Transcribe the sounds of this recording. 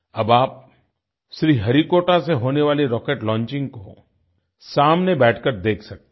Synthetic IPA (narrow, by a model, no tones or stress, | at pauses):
ɐbaːp̚ | ʃɾiːɦɐɾikoːʈaseɦoːneʋaːleɾɔːkeːʈlɔ̃ːnt͡ʃɪ̃ŋɡko | saːmnebɛːʈʰkəɾd̪eːkʰsɐk̚t̪e